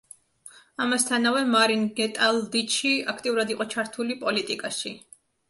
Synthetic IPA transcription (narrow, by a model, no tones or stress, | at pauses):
amast̪ʰanavɛmaɾinɡɛt̪ʼalˠd̪it͡ʃʰiakʰt̪ʼiuɾad̪iqʼɔt͡ʃʰaɾt̪ʰulipʼɔlit̪ʼikʼaʃi